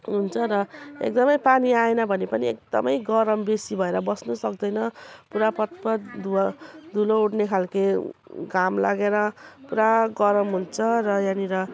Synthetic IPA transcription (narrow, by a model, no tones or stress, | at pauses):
ɦunt͡sʰʌɾʌḛk̚d̪ʌmʌjpaniaenʌbʱʌnepʌniek̚d̪ʌ̰mʌjɡʌɾʌmbesibʱʌeɾʌbʌsnusʌk̚d̪ʌjnʌpuɾapʌt̪̚pʌd̪ud̪ʱulouɽnekʰalkeɡamla̰ɡeɾʌpuɾaɡʌɾʌmɦunt͡sʰʌɾʌjãniɾʌ